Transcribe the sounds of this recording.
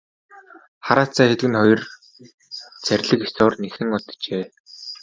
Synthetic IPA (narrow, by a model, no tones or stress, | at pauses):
χaɾaːt͡sʰaːxet̪ɘ̆ɡɘ̆nχɔjɞ̆r | t͡sʰærʲɮɘ̆kesʊːrnexɘ̆ŋɔt̪t͡ɕeː